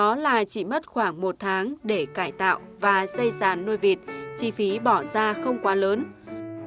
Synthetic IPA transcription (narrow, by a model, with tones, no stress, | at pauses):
ɔ˨˦laː˨˩t͡ɕḭ˧˨mə˦˥t̚xwaː˧˩ŋmo˨˩t̚t̪ʰaː˨˦ŋɗe˧˩kaː˧˩jt̪a̰ː˧˨wʔvaː˨˩zə˧jsaː˨˩nːo˧jvi˨˩ət̚t͡ɕi˧˩fi˨˦ɓɔ˧˩zaː˧xə˧wŋ͡mkwaː˨˦ləː˨˦n